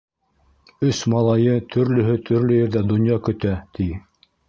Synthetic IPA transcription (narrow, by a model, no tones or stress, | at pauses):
ɵsmɑlˠɑjɤt̪ʰɵ̆ɾlɵ̆ɦɵt̪ʰɵ̆ɾlɵjɘ̆ɾðæd̪ŏnjɑkɵ̆t̪æt̪ʰi